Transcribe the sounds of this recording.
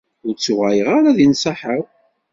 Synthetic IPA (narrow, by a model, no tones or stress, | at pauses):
ʊɾt͡sːuʁæjəʁaɾaðinsɑħəʁ